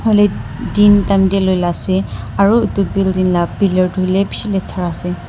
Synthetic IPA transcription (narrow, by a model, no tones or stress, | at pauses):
ɦolɛ | dintamdɛlojlasɛ | aɹuitubildinlabbilɔɹdʱulɛbisilɛtʰaɹasɛ